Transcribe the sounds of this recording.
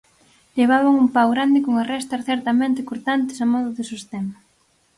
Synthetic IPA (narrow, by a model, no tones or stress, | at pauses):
ʎeβ̞aβaŋumpawɣɾand̪ɪkoŋarɛst̪ɐsθɛɾt̪ɐmẽnt̪ɪkoɾt̪ant̪ɪ̥samɔðʊðɪsist̪ɛmɐ